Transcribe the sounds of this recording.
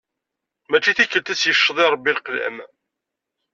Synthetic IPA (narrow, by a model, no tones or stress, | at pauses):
mæt͡ʃːiθikːəlt̪æsjəʃːðˤɪɾˤəbːilqlæ̰m